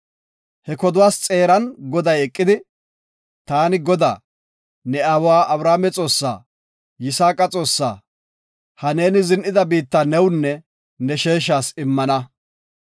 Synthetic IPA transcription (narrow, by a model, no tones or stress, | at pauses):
hɛkɔd̪ʊwaːst͡sʼe̞ːɾɐnɡɔd̪ɐjɛkʼːɪd̪ɪ | t̪aːnɪɡɔd̪a̰ː | nɛaːwwaːʔɐbɾaːmɛt͡sʼo̞ːsːa̰ː | jɪsaːkʼɐt͡sʼo̞ːsːa̰ː | hɐne̞ːnɪzɪnʔɪd̪ɐbiːt̪ːanɛwnːɛ | nɛʃe̞ːʃ̬aːsɪmːɐnɐ